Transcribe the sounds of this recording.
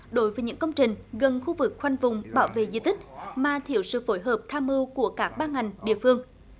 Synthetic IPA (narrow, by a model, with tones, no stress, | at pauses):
ɗo˨˦jvəː˨˦ɲɨ̰˧˥ŋkə˧wŋ͡mt͡ɕï˨˩ŋ̟ɣə˨˩nxu˧vɨ˨˩k̚xwa˧jŋ̟vʊ˨˩ŋ͡mɓaː˧˩wvḛ˧˨zḭ˧˨t̪ʰï˦˥k̟̚maː˨˩t̪ʰi˧˩əwsɨ̰˧˨fo˧˨˦jɦəː˨˩p̚t̪ʰaː˧mɨ˧wku˧˩əkaː˦˥k̚ɓaː˧ŋa˨˩jŋ̟ɗḭ˧˨əfɨ˧əŋ